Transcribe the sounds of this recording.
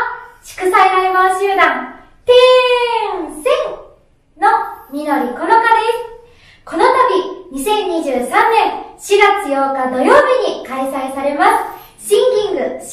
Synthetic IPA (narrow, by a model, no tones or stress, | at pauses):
ɕi̥kɯ̟saeɾaɾemaɕɨːd̪ãŋ | t̪e | sẽŋ | no̞mʲino̞ɾʲiko̞no̞kad̪e̞sɨ̥ | ko̞no̞t̪abʲiɲ̟isẽ̞ɲːiʑɨːsãnnːẽ̞ŋɕiɡat͡sɨjo̞ːkad̪o̞jo̞ːbʲiɲ̟ikaisaisaɾe̞masɨ̥ | ɕĩŋɡʲĩŋɡɯ̟ɕ